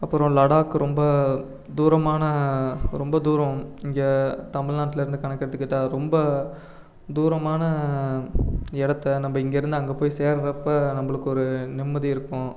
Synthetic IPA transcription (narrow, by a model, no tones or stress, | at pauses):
ɐpːɯɾõlɐɽaːkːɯɾɔmbɐ | d̪uːɾɐmaːnɐɾɔmbɐd̪uːɾɐ̃ɪŋɡɐt̪ɐmɪɭnaːʈːɪlɐɪɾɯnd̪ɯkɐɳɐkːɪɾɐðɯkːɪʈːaːɾɔmbɐ | d̪uːɾɐmaːnɐ | ɪɽɐt̪ːɐnɐmbɐɪŋɡeɪɾɯnd̪ɯɐŋɡɐpoːjiseːɾɾɐpːɐnɐmbɐɭɯkːɯɔɾɯnɪmːɐðiɪɾɯkːʊ̃